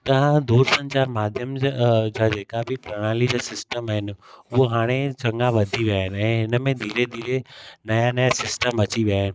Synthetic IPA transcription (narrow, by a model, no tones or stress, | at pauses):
t̪ɐʋ̤ãd̪uːɾsɐ̃ɲt͡ɕaːɾmaːd̪ʱjəmd͡ʑaːd͡ʑeːkabʱɪpɾɐɽ̃aːlid͡ʑaːsɪsʈəmaːɦɪnɪʊɦoɦaːɽ̃et͡ɕɐ̃ŋɡaʋɐd̪ʱiʋijaːɦɪnɪ̆ɛ̃ːɦɪnəmẽd̪ʱiːɾed̪ʱiːɾenɐjanɐjasɪsʈəmɐt͡ɕiʋijaːɦɪnɪ̆